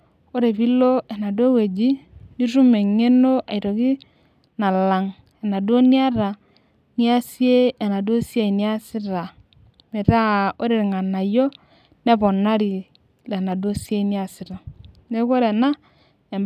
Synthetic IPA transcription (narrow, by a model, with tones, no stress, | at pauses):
o˦ɾe˨pi˦lo˦e˨na˨do˦we˨d͡ʒi˦ni˦ɾu˦me˨ŋe˦no˦ʔa˨i˨ɾo˨ki˦ | na˨la˨ŋ | e˨na˨do˦ni˦a˦ɾa˨ | ni˦a˦si˦e˦e˨na˨do˦sja˦i˨ni˦a˦si˦ɾa˨ | me˨ta˦o˦ɾe˨ɾi˨ŋa˨na˨jo˦ | ne˦pɔ˨na˦ɾi˨ | le˨na˨do˦si˦e˦ni˦a˦si˦ɾa˨ | ne˦ko˦ɾe˨na˦ | e˨m